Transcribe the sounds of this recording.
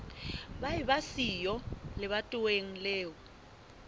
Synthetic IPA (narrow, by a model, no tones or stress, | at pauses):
ɓajiβasijɔlɪβatʼʊweŋ̩lɛːwɔ